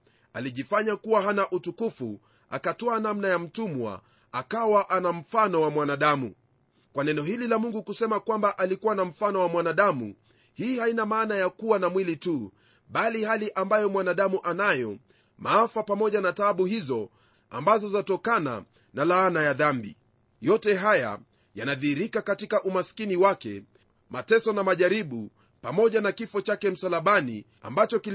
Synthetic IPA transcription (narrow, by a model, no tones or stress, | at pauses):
aliʄifaɲakuwaɦanaʔutukufṵ | a̰katɔanamnajam̩tumwa̰ | akawaʔanam̩fanɔwamwanaɗamṵ | kwanɛnɔhililamuŋɡukusɛmakwambaʔalikuwanam̩fanɔwamwanaɗamṵ | hiːhainamaːnajakuwanamwilitu | ɓalihaliʔambajɔmwanaɗamuʔanajɔ | maafapamɔʄanataɓuhizɔ | a̰mbazɔzatɔkana̰ | nalaanajaðambḭ | jɔtɛɦaja̰ | janaðiiɾikakatikaʔumaskiniwakɛ̰ | matɛsɔnamaʄaɾiɓu | pamɔʄanakifɔt͡ʃakɛm̩salaɓanḭ | a̰mbat͡ʃɔki